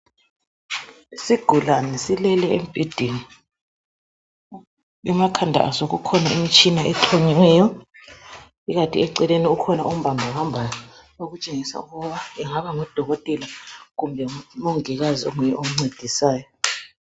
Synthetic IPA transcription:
isiɡ̥ʱulanisilɛlɛɛ̰mb̥ʱed̥ʱini | ɛmakʰandʱa̰ʔa̰soɣukʰɔnaimit͡ʃʼinaʔɛtʰoɲiŋɛjɔ | iɣatʼḭɛǀɛleniukʰɔnaum̩bʱambʱahambʱajɔ | oɣut͡ʃʼeŋisa̰uɣɔβaɛŋaβaŋɔd̥ʱɔɣɔtʼɛlaɣumbʱɛmoŋɛɣazio̰ŋujɛouŋ͡ǀed̥ʱisaːjɔ

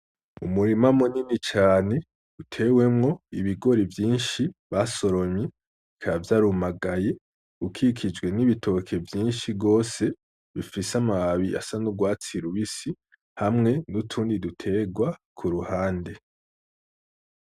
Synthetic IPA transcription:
umuɾimamuninit͡ʃaːne̞ | utʰe̞we̞mŋo̞iβiɡo̞ɾivjiːnʃiβaso̞ɾo̞mɲe | ikʰavjaɾumaɡaje̞ | ukʰikʰid͡ʒwe̞niβitʰo̞kʰe̞vjiːnʃiɡo̞ːse̞ | βifisamaβaβiʔa̰sanuɡwaːt͡siɾuβisi | hamŋe̞nutʰuːndidutʰe̞ɡwakʰuɾuhaːnde̞

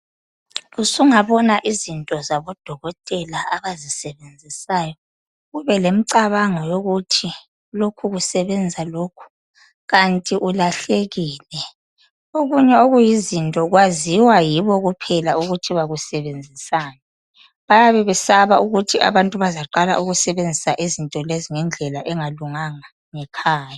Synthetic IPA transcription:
ɣusuŋaβɔnaʔizintʼɔzaβɔd̥ʱɔɣɔtʼɛlaaβazisɛβend͡zʱisaːjɔ | ɣuβɛlem̩ǀaβaŋɔjoɣutʰi | lokʰuɣusɛβɛnd͡zʱalokʰu̥ | ɣantʼiʔulaɬeɣiːlɛ | oɣuɲɛoɣujizintʼɔɣwaziwajiβɔɣupʰɛlauɣutʰiβaɣusɛβend͡zʱisaːnɛ | βajaβɛβɛsaβaʔuɣutʰiʔa̰βantʼuβazaǃala̰ʔuɣusɛβend͡zʱisaʔizintʼɔleziŋɛnd͡ɮʱɛlaʔɛŋaluŋaŋa | ŋɛkʰaːja

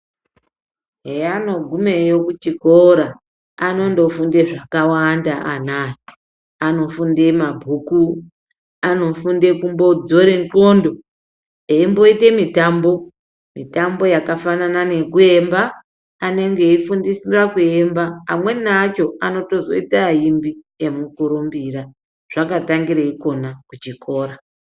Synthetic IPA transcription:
ɦeano̞ɡʱume̞jokut͡ʃikoɾa | ano̞ndo̞funde̞ʐakawandaʔanae | ano̞funde̞mabʱuːku | ano̞funde̞kumbo̞d͡zo̞ɾeŋko̞ndo̞ | eimbo̞ite̞mitambo̞ | mitambo̞jakafananane̞kue̞mbaː | ne̞ŋɡe̞ifundisirakue̞mba̰ːmwe̞nat͡ʃo̞ano̞to̞zo̞̰itaɦimbi | e̞mukuɾumbiɾa | ʐ̥akataŋɡiɾeiko̞nakut͡ʃiko̞ːɾa

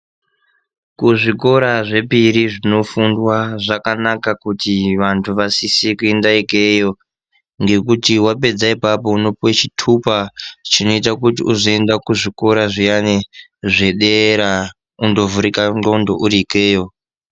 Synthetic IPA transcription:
kuʐiko̞ɾaʐe̞piɾiʐino̞fundwaʐakanakakutiʋantʰuʋasisikuendaike̞jo̞ | ŋɡe̞kutiwape̞d͡zaipapo̞uno̞pwet͡ʃitʰupat͡ʃino̞it̬akutḭuzo̞e̞ndakuʐiko̞ɾaʐijaneʐe̞ɗeɾa | undo̞vuɾikaoundo̰ʔuɾiːke̞ːjo̞

